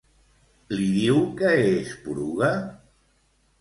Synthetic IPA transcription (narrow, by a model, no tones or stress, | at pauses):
liðiwkəespuɾuɣa